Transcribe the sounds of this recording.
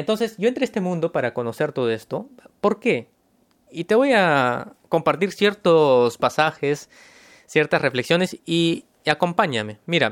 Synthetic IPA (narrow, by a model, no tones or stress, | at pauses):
ent̪o̞nse̞sɟ͡ʝo̞ent̪ɾeest̪e̞mũnd̪o̞paɾako̞no̞se̞ɾt̪o̞ð̞o̞e̞st̪o̞po̞ɾke̞ | it̪e̞βo̞jako̞mpaɾt̪iɾsje̞ɾt̪ospasaxesː | je̞ɾt̪asre̞fleksjo̞ne̞si | ako̞mpaɲame̞miɾa̰